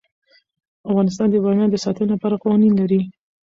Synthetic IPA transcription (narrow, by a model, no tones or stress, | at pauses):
afɣɑnɪs̬t̪ɑnd̪əbɑmjɑd̪əsɑt̪ənolapɑɾaqɑwɑninlaɾi